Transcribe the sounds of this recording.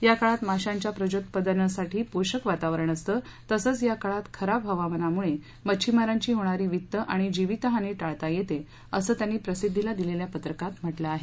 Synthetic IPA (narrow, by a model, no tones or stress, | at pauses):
jakaɭat̪maɕaɲt͡ɕjapɾəd͡ʑot̪pəd̪əɾnəsaʈiːpoɕəkʋat̪aʋəɾəɳəst̪əː | t̪əsəːt͡sjakaɭat̪kʰəɾapɦəʋaʋənamuɭe | mət͡ɕʰimaɾaɲt͡ɕiːɦoɽ̃aɾiːʋit̪ːəʔaɽ̃id͡ʑiʋit̪əɦaniːʈaɭt̪ajet̪e | əsəːt̪janːiːpɾəsid̪ʱːilad̪ileljapət̪ɾəkat̪m̤əʈləaɦe